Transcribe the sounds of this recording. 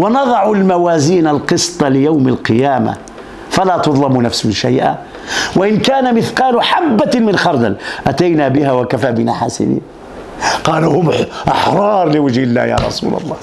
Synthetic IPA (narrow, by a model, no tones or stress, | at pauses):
wnɑd̪ˤɑʕulmawaːziːnalqɨsˤt̪ˤɑlɪjawmalqɨjaːma̰ | falaːt̪ʊd̪ˤlɑmunafsmɪnʃajʔa̰ | waʔɪnkaːnamɪθqɑːlʊħabːamɪnxɑɾˤd̪alʔat̪ajnabɪhawakafabɪnaħa̰ːsɪ̰dḭːn | qɑːluhʊmʔɑħɾˤɑːɾˤlɪwad͡ʒhɪlːa̰hja̰ːɾˤɑ̰sṵːlɑ̰lˤːɑː